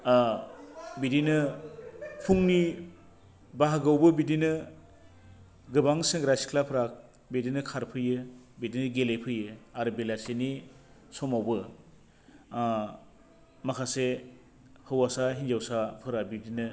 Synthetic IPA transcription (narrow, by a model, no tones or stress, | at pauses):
bidinɯ | pʰuŋni | baɦaɡawbɯbidinɯ | ɡɯbaŋseŋɡɾasi̥kʰlapʰɯɾak̚ | bidinɯkʰaɾpʰɯjɯbidinɯɡelejpʰɯjɯaɾɯbelaseni | sɔmawbɯ | makʰase | hɯwasaɦind͡ʒawsapʰɯɾabidinɯ